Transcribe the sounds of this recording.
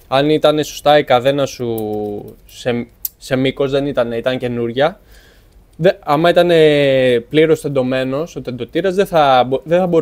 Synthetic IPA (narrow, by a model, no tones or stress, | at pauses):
ɐnit̪ɐne̞sost̪ɐikɐθe̞nɐsu | sese̞miko̞zðe̞nit̪ɐne̞it̪ɐɲce̞nuɾʝɐ | ðeɐmɐit̪ɐne̞pliɾo̞sθe̞nd̪o̞me̞no̞sot̪end̪o̞t̪iɾɐzðeθɐbðeθɐbo̞